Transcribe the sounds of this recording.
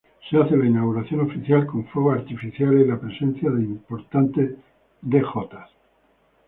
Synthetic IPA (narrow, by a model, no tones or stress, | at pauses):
seaθe̞lainawɣuɾaθjo̞no̞fiθjalkõ̞ɱfoɣːɾt̪ifiθjaleilapɾe̞sẽ̞nθjaðeimpo̞ɾt̪ant̪e̞ | d̪e̞xo̞t̪a